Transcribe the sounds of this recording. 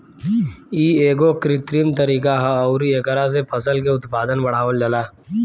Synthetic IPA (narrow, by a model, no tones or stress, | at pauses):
iːeːɡokɾɪt̪ɾimt̪əɾiːkaɦɐːʊɾieːkəɾas̬epʰəsəlk̬eʊt̪paːd̪ənbɐɽ̤aːʋəld͡ʒəlaː